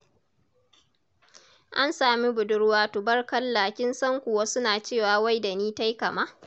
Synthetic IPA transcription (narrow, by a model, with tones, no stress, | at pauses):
ʔa˦nsaː˨mi˦bʊ˨dʊ˦ɽwaː˦tʊ˨bɐ˦rkɐ˦lːaː˨kʲɪ˦nsɐ˦ŋkʷʊ˨wa˦sʊ˦naː˨t͡ʃeː˦˨waː˨wa˦jda˨niː˦ta˦jkɐ˨ma˦